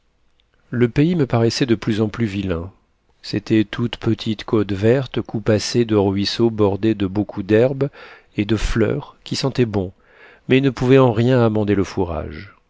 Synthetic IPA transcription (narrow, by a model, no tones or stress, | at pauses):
ləpeiməpaʁɛsɛd̪əplyzɑ̃plyvilɛ̃ | set̪ɛt̪ʰut̪pət̪ʰit̪kot̪vɛʁt̪kupased̪əʁɥisobɔʁd̪ed̪əbokʰud̪ɛʁb | ed̪əflœ̰ːʁkʲisɑ̃t̪ɛbɔ̃ | mɛnəpuvɛɑ̃ʁjɛ̃amɑ̃d̪eləfuʁa̰ʒ